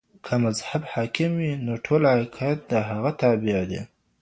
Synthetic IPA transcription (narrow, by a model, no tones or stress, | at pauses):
kʰamazhabhɑːkɪmwinoʈʰolakʰat̪̚d̪əɦaɣat̪ɑbɪʕd̪ḛ